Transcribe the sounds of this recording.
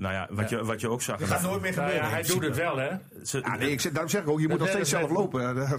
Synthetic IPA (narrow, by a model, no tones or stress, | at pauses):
noja̰ʋɔjəʋɔtjəoksaxəatnoːjtmɪfəbøːəɛjdudətʋɛlˠɛ | səa̰neɪksɛdaːromsɛxɪkokjəmutnɔxteəsɛlˠəfloːpə